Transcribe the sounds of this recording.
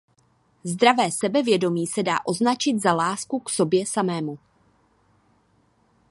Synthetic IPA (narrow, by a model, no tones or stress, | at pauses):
zd̪ɾavɛːsɛbɛvjɛdo̞miːsɛda̰ːʔo̞znat͡ʃɪt̪zalaːskukso̞bjɛsamɛːmu